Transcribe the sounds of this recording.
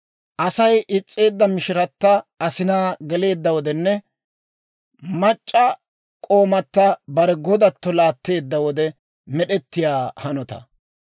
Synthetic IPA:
ʔɐsɐjʔɪt͡sʼːe̞ːd̪ːɐmɪʃɪɾɐt̪ːɐɐsɪnaːɡɛle̞ːd̪ːɐwɔd̪ɛnːɛ | mɐt͡ʃʼːɐ | kʼo̞ːmɐt̪ːɐbɐɾɛɡɔd̪ɐt̪ːɔlaːt̪ːe̞ːd̪ːɐwɔd̪ɛ | mɛɗɛt̪ːɪjaːhɐnɔt̪ɐ̰

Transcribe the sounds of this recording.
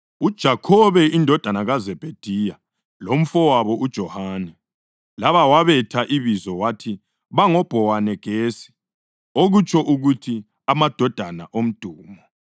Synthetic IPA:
ud̥ʒ̥ʱakʰɔβɛindʱɔd̥ʱanaɣazɛb̥ʱed̥ʱija | lom̩fɔwaβɔʔud̥ʒ̥ʱɔhaːnɛ | laβawaβɛtʰaʔiβizɔwatʰi | βaŋɔb̥ʱɔwanɛɡ̥ʱeːsi̥ | oɣut͡ʃʰɔʔuɣutʰi | amad̥ʱɔd̥ʱana̰ʔom̩d̥ʱuːmɔ

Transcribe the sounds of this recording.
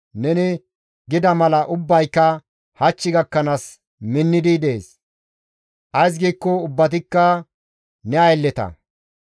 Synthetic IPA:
nɛnɪ | ɡɪd̪ɐmɐlɐʔʊbːɐjkːɐ | hɐt͡ʃːɪɡɐkːɐnaːs | mɪnːɪd̪ɪd̪e̞ːs | ʔɐjs̬ɡiːkːɔʊbːɐt̪̬ɪkːɐ | nɛɐjlːɛt̪ɐ̰

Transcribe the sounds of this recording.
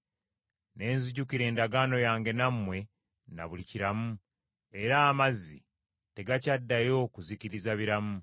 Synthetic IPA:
ne̞ːnziɟukiɾe̞ːndaɡaːno̞jaːŋɡe̞namːwe̞ | na̰βuliciɾamu | e̞ɾaːmazːḭ | te̞ɡacadːajo̞kuziciɾizaβiɾamu

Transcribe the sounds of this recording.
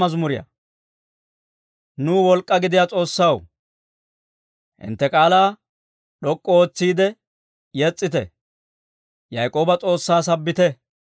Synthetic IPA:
ɐzmʊɾɪjɐ̰ | nuːwɔlkʼːɐɡɪd̪ɪjat͡sʼo̞ːsːɐw | hɪ̰nt̪ːɛkʼaːlaː | ɗɔkʼːɔoːt͡sːiːd̪ɛ | jɛt͡sʼːɪt̪ɛ̰ | jɐjkʼo̞ːbɐt͡sʼo̞ːsːaːs̬ɐbːɪt̪ɛ

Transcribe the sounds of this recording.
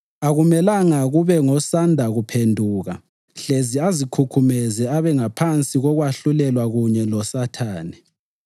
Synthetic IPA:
aɣumɛlaŋaɣuβɛŋɔsandʱaɣupʰendʱuːɣa̰ | ɬeziazikʰukʰumɛzɛaβɛŋapʰant͡sʼiɣɔɣwaɬulɛlwaɣuɲɛlɔsatʰaːnɛ

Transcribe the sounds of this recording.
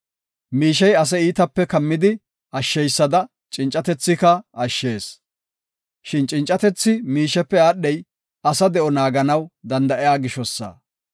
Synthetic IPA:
miːʃ̬ɛjɐs̬ɛiːt̪ɐpːɛkɐmːɪd̪ɪ | ɐʃːɛjsːɐd̪ɐ | t͡ʃʼɪnt͡ʃʼɐt̪ɛt͡sːɪkɐɐʃːe̞ːs | ʃɪnt͡ʃʼɪnt͡ʃʼːɐt̪ɛt͡sːɪmiːʃɛpːɛaːɗːɛj | ɐsɐd̪ɛʔɔnaːɡɐnɐwd̪ɐnd̪ɐʔɪjaːɡɪʃɔsːa̰ː

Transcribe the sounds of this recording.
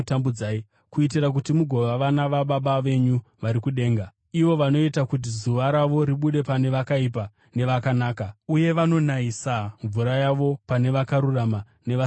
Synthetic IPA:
tambud͡zaːi | kuitirak̬utimuɡʱo̞ʋaʋanaʋaɓaɓaʋe̞ɲuʋaɾikuɗe̞ːŋɡa | iʋo̞ʋano̞itakut̬izuʋaɾaʋo̞ɾiɓuɗe̞pane̞ʋakaip̬a | ne̞ʋakanaːkauje̞ʋano̞naisaɱvuɾajaʋo̞pane̞ʋakaɾurama | ne̞ʋa

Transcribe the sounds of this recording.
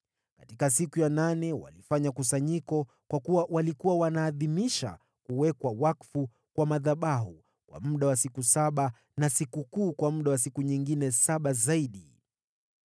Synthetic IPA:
katikasikujananɛwa̰lifaɲakusaɲikɔ | kwakuwawalikuwawanaːðimiʃa̰ | kuwɛkwawakfu | kwamaðaɓaɦu | kwa̰muɗawasikusaɓa | nasikukuːkwam̩ɗawas̬ikuɲiŋɡinɛsaɓazaiɗi

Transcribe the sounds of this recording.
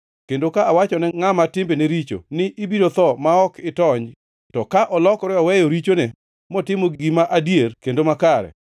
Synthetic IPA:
kendokaawat͡ʃɔnɛŋamatɪmbeneɾit͡ʃo̰nɪʔibidot̪ɔmaɔkɪtɔɲ | tɔkaʔɔlɔkɾɔɔwɛjoɾit͡ʃonɛ | mɔtɪmoɡɡimaʔadjerkendomakaɾɛ̰

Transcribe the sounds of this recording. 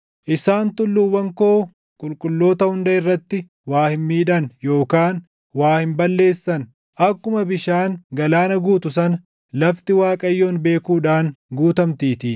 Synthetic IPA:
ʔɪsaːnt̪ʊlːʊwːɐŋko̞ː | kʼʊlkʼʊlːo̞ːt̪ɐhʊnd̪ɐɪrːɐt̪ːɪ | waːhɪnmiːᶑɐnjo̞ːkaːn | waːhɪmbɐlːe̞ːsːɐn | ʔɐkːʊmɐbɪʃaːŋɡɐlaːnɐɡuːt̪ʊs̬ɐnɐ | lɐft̪ɪwaːkʼɐjːoːnbe̞ːkuːᶑaːnɡuːt̪ɐmt̪iːt̪ɪ

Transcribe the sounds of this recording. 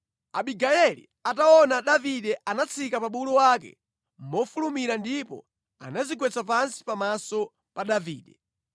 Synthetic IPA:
a̰ɓiɡajɛlḭ | ataɔnaɗaviɗɛʔanat͡sʰikapaɓulɔwaːkɛ̰ | mɔfulumiɾandipɔ̰ | a̰nazikwɛt͡sapansi̥pamasɔ | paɗaviːɗɛ

